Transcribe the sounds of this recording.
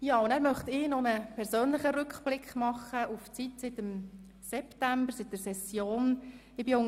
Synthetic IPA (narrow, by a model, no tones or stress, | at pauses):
jɑːʊndæːɾmœχt̪ɪːnɔnəpʰɛɾsøːnlɪχəɾʏkχb̥lɪkχmɑχəuft͡sitsɪtəm | sɛptæmbəɾsɪt̚dəɾsɛsjoːn | ɪbiʊŋ